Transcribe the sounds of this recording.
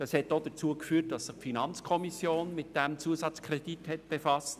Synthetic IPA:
d̥ɑshɛtdod̥ət͡suːəkfyːt̚d̥ɑsːɪχfinɑnt͡skʰɔmisjoːnmɪt̚d̥ɛmt͡suəsɑt͡skʰɾɛd̥ithɛtb̥efɑst

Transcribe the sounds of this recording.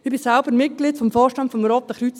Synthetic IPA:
ɪb̥isɛlbəɾmɪt̚ɡ̥litfɔmfɔːʃtɑntfɔmɾɔːt̚d̥əχɾyt͡s

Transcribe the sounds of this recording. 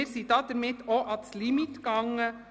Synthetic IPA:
əɾsit̪ɑːt̪̚d̪æɾmɪt̪oʔɑt̪lɪmɪt̪ɡɑŋ

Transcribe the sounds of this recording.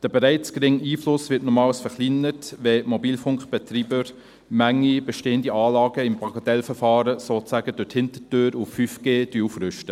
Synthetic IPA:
d̥əbɛɾæɪt͡sɡ̥ɾɪŋiːflʊsʋɪtnɔmɑːwsfəɾχlinətʋɛmɔbiːlfʊŋkχb̥ɛtriːbəɾ | mæŋːib̥ɛʃteːəndiɑːlɑːɡəɪmpɑɡ̥ɑtɛlfəɾfɑːɾəsoːt͡sæːɡ̥əd̥ʊthɪntətøːɾufːyfɡ̥eːd̥yːufrʏʃtə

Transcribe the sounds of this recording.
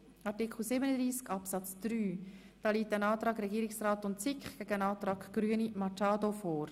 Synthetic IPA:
ɑtɪkχl̩ˠsɪbənəd̪ʁiːskɑpsɑt͡sd̥ɾyː | d̥ɑːliːtænɑːtɾɑːɡɾɛɡiːɾɪksraːtʊntt͡sɪkχɡ̥ɛɡ̥əənɑːtɾɑːkɡ̥ɾyənimɑt͡ʃɑːdofɔːɾ

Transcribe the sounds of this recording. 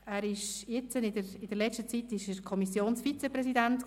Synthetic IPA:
æːɾɪʃjɪt͡sənɪdəɾɪd̥əlɛt͡ʃʃtət͡sitɪʃəkʰɔmisjoːnsfit͡seprɛsidænt

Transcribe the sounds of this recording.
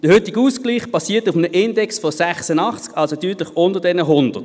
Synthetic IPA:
d̥əhʏtɪɡəuːskliːχb̥ɑsiːɐtufmənəʔɪndɛksfɔsɛχsənɑχt͡skɑlsotyːtlɪçʔʊndədɛnəɦʊndəʁt

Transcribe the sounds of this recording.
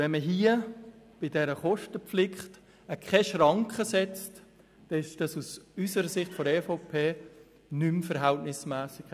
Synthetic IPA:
vɛnməɦiə | b̥ɪdɛɾəχɔʃtəpflɪχt | əkʰχɛʃrɑŋkχəsɛt͡st | d̥ɛɪʃʃd̥ɑsusysəɾəsɪχtfɔɛfopʰeː | nymfəɾɦæltnɪsmæːsɪk

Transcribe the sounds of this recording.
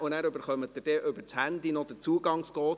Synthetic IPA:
ʊnæːɾøbəɾχœmətːəd̥ɛʔøbəɾt͡shændinɔd̥ət͡suːɡɑŋskɔːt

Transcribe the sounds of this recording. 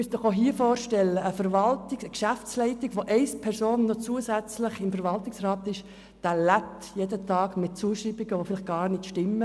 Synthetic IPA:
mysd̥̪ɔχoɦiːəfɔːɾʃtɛlːəəfəɾvɑltɪkəkʃæft͡slɛɪtɪɡ̥ʋoʔɛɪspʰɛɾsoːnːɔt͡suəsæt͡slɪχɪmfəɾvɑltɪksrɑːt̪ɪʃ | d̪̥ælæp̚t̪jedətʰɑːɡmɪt̚t͡suːəʃribɪɡəʋofɪlɪχ̚ɡ̥ɑːɾnɪtʃtɪmːə

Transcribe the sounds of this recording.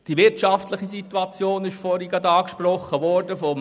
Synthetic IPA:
d̥iʋɪɾtʃɑftləχisit̪ːuɑt͡sjoːnɪʃfɔɾiɡədɑːkʃprɔχːəʋɔrdəfɔm

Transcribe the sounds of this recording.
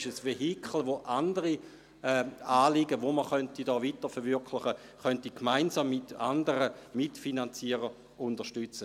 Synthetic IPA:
ʃəsʋeɦikʰχl̩ʋoʔandəʁi | ɛːaːliɡəʋoməχœntidɔːvitəfɛɐʁʋyɐkʰlɪχə | χœntikmaɪnsaːmːɪtandəɾəmitfinant͡siəʁə | ʊndəʃtyt͡sə

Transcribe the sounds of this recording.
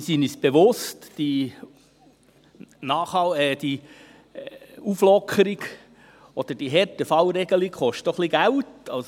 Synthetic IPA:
sinisb̥eʋʊstd̥i | nɑːχhɑlɛːd̥i | uflɔkʰəɾiɡ | ɔd̪̥əd̥iɦɛɾtəfɑlɾɛɡəlikχɔʃtoχliɡ̥æwtɑls

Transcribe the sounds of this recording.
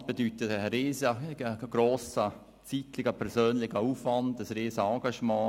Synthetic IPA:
sb̥edytətəɾeːzəəɡ̥ɾoːsə | t͡sitlɪɡəpʰɛɾsøːnlɪxəuːfʋɑndəsreːsəɑːɡɑʃmɑ̃ː

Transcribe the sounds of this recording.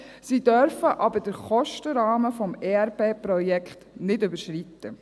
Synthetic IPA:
sid̥œɾfəʔɑbəd̥əɾχɔʃtəɾɑːməfɔmɛɛɾpeːpɾɔjɛkχt̪nɪdʉbəʃɾit̪ːə

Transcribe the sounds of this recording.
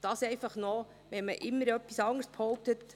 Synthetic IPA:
d̥ɑːsɛɪfɑχnɔ | ʋɛməʔɪmːəɾœpːisɑŋəɾsphɔʊp̚t̪ət

